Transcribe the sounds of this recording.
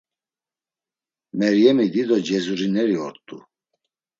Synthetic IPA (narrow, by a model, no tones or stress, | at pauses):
mɛɾjɛmid̪id̪ɔd͡ʒɛzuɾinɛɾiɔɾt̪ʼu